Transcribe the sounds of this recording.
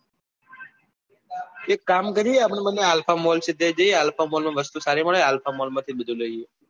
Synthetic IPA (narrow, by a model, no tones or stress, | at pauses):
eːkːaːmkəɾieapəɳːmənːeaːlpʰaːmoːlt͡ʃʰed̪ed͡ʒ̪eeaːlpʰaːmoːlmãːʋəst̪uːsaːɾiməɭeaːlpʰaːmoːlmãːt̪ʰiːɗɪd̪ʱũloieː